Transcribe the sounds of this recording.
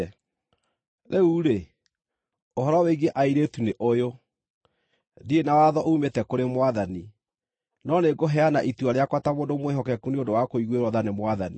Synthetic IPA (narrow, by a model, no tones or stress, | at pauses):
ðeuɾe | oɦɔɾɔweɡeʔaiɾetuneʔojo | ðienawaðɔʔoumetɛkoɾemwaðani | nɔneɡoɦɛanaʔituaɾeakwatamoːdomweɦɔkɛkuniondowakoiɣweɾɔðanemwaðani